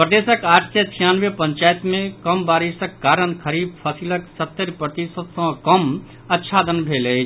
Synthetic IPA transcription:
pɾəd̪esəkaːʈʰset͡ʃʰijaːnʋepə̃nt͡ʃaːjt̪mẽkəmbaːɾisəkːaːɾənkʰəɾiːb̚pʰəsiləksət̪ːəɾpɾət̪isət̪sə̃kəm | ətːʃʰaːd̪ənbʱeːle

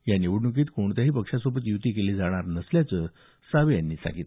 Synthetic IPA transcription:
janiʋuɽnuk̬iːt̪koɳt̪aɦiːpəkʂasobət̪jut̪iːkeliːd͡zaɽ̃aɾnəsljat͡səː | saʋejanːiːsa̰ɡiːt̪

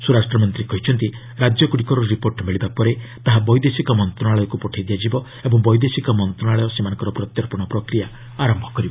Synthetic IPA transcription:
suɾasʈɾɔmɔnt̪ɾikɔɦit͡ʃʰɔnt̪i | ɾad͡ʒɔkuɽikɔɾɔɾipoɾʈmeɭibapɔɾet̪aɦabɔjd̪esikɔmɔnt̪ɾɔɽ̃aɭɔjɔkupɔʈʰajd̪ijad͡ʒibɔ | ebɔŋbɔjd̪esikɔmɔnt̪ɾɔɽaɭɔjɔsemanɔŋkɔɾɔpɾɔt̪jɔɾpɔɽ̃ɔpɾɔkɾija | aɾɔmbʱɔkɔɾibɔ

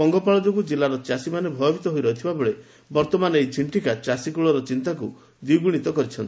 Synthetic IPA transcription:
ɔŋɡɔpaɭɔd͡ʒokud͡ʒelaɾɔt͡ʃasimanebʱɔjɔbʱit̪ɔɦoiɾɔɦit̪ʰibabɔɭe | bɔɾt̪ɔmanejt͡ʃʰiɳʈikat͡ʃasikuɭɔɾɔt͡ʃint̪aku | d̪iuɡuɽ̃it̪ɔkɔɾit͡ʃʰɔnt̪i

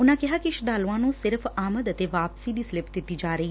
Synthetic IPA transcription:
ʊnãːkɪɦaːkiɪʃd̪aːluãːnũːsɪɾfʰaːməd̪ət̪eːʋaːpsiːd̪iːsɪlɪpd̪ɪt̪ːiːd͡ʒaːɾəiː

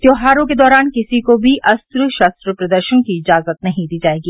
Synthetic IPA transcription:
t̪joːɦaːɾõked̪ɔːɾaːnkɪsikobʱiʔɐst̪ɾəʃaːst̪ɾəpɾɐd̪əɾʃəñkiɪd͡ʒaːzət̪nɐɦĩd̪iːd͡ʒaːeːɡiː

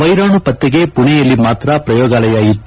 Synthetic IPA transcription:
ʋɐjɾaːɳupɐt̪ːeɡe̞puɳɛjɐlːimaːt̪ɾɐpɾɐjɔːɡaːlɐjaːjit̪ː

